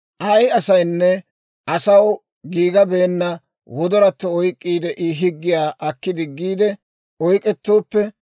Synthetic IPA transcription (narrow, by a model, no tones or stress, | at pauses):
ʔɐjɐsɐjnːɛ | ʔɐsɐw | ɡiːɡɐbe̞ːnːɐ | wɔd̪ɔɾɐt̪ːɔɔjkʼːiːd̪ɛʔɪɦɪɡːɪjaːʔɐkːɪd̪ɪɡːiːd̪ɛ | ɔjkʼɛt̪ːo̞ːpːɛ